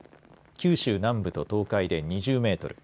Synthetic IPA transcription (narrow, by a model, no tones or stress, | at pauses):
kʲɨːɕɨːnãmbɯ̟t̪o̞t̪o̞ːkaid̪e̞ɲ̟iʑɨːme̞ːt̪o̞ɾɯ̟